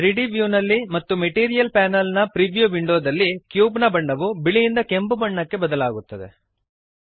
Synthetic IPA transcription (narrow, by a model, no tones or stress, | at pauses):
ɾiɖibjuːnɐlːimɐt̪ːumeʈiːɾijɐlpaːnɐlnɐpɾiʋjuʋiɳɖoːd̪ɐlːikjuːbnɐbɐɳːɐʋubiɭijind̪ɐke̞mbubɐɳːɐkːe̞bɐd̪ɐlaːɡut̪ːɐd̪ḛ